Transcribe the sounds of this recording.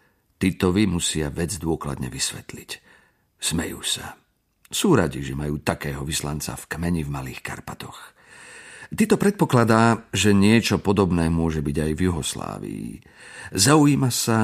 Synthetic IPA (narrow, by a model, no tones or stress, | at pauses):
t̪it̪ɔʋimusɪaʋɛd͡zd̪ʊɔkla̰d̪ɲɛ̰ʋisʋɛt̪lic | smɛjṵːsa | suːɾaɟiʒɛmajuːt̪akɛːɦɔʋislant͡sa̰fkmɛɲivmaliːxka̰ɾpat̪ɔx | t̪iːt̪ɔpɾɛt̪̚pɔklad̪aːʒɛɲɪɛt͡ʃɔpɔd̪ɔbnɛːmʊɔʒɛbiɟajvjuɦɔsla̰ːʋḭ | zaujiːmasa